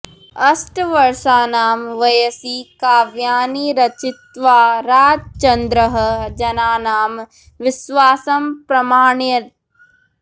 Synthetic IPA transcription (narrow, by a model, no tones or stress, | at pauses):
ɐsʈʋɐɾʃaːnaːmʋɐjɐsikaːʋjaːniɾɐt͡ʃɪt̪ʋaːɾaːd͡ʒt͡ʃɐnd̪ɾəɦɐ̆d͡ʒɐnaːnaːm | ʋɪʃʋaːsɐmpɾɐmaːɳjɐ